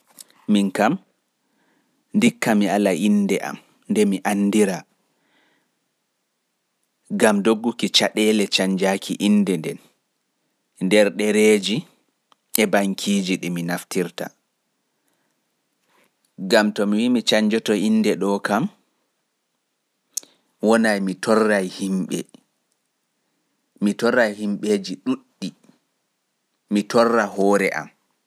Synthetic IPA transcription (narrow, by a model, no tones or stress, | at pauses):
minkam | ndikːamialaʔindɛʔa̰m | ndɛmiʔanːdiɾa | ɡamdoɡːukit͡ʃaɗɛlɛt͡ʃaɲd͡ʒakʰiʔinːdɛndɛn | ndɛɾɗɛɾeːd͡ʒi | ʔɛbaŋkʰid͡ʒiɗiminaftiɾta̰ | ɡamtɔmiwimit͡ʃaɲd͡ʒɔtɔindɛɗɔkam | wɔnajmitɔrːajhimɓɛ̰ | mitɔrːajhimɓeːd͡ʒiɗuɗːi | itɔrːaɦɔːɾɛ̰ʔa̰m